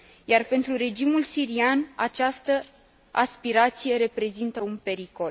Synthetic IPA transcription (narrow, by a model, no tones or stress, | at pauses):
jarpe̞nt̪ɾuɾe̞d͡ʒimulsiɾianat͡ʃast̪ə | aspiɾat̪sije̞ɾe̞pɾe̞zint̪əunpe̞ɾiko̞l